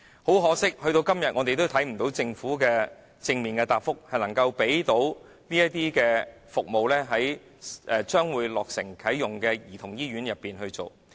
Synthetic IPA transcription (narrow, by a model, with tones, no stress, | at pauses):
ho˨˥wɦɔː˨˥sɪ˥k̚hɵ˧ɥɾo˧wkɐ˥mjɐ˨t̚ŋɔː˨˧t̪e˨jt̪o˥wt̪ʰɐ˨˥jm̩˨˩t̪o˨˥wt͡sɪ˧ŋfuː˨˥kɛː˧ | t͡sɪ˧ŋmiː˨˩nkɛː˧t̪aː˨p̚fʊ˥k̚hɐ˨jnɐ˨˩ŋkɐ˧wpe˨˥jt̪o˨˥w | niː˥jɐ˥t̪iː˥kɛː˧ | fʊ˨k̚mo˨wlɛː˥ɦɐ˨˥j | ʔɛː˨˧t͡ʃœː˥ŋwuː˨˧jlɔː˨k̚sɪ̰˨˩ŋkʰɐ˨˥jːjʊ˨˩ŋkɛː˧jiː˨˩t̪ʰʊ˨˩ŋjiː˥ɥyː˨˥njɐ˨pːiː˨˩nɦɵ˧ɥt͡ʃo˨˩w